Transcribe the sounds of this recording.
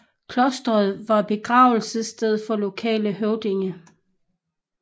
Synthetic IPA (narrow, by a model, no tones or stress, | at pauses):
kʰlɔsd̥ʁɐð̞̩ˠʋɑ̈b̥e̝ɡ̥ʁɑ̰̈ːʊl̩səsd̥eð̞̰ˠfɒ̽lo̝kʰɛ̰ːləɦøʊd̥e̝ŋə